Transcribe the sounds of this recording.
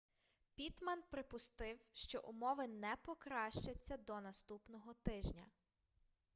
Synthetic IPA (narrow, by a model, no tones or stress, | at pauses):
pʲit̪mɐnpɾɪpʊst̪ɪwʃt͡ʃɔ̰ʔʊmɔʋɪnɛpɔkɾɑʃt͡ʃɐt͡sʲːɐd̪ɔnɐst̪upnɔɦɔt̪ɪʒnʲɐ̰